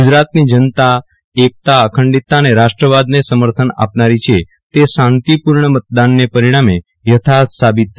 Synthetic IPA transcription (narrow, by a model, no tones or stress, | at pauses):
ɡud͡ʒɾat̪nid͡ʒənt̪a | ek̚t̪aəkʰəɳɖit̪ːaneɾaʃʈɾəʋad̪nesəməɾt̪ʰəna̰pnaɾit͡ʃʰe | t̪esãnt̪ipuɾɳəmət̪̚d̪anːepəɾiɽ̃ame | jət̪ʰasabit̪ː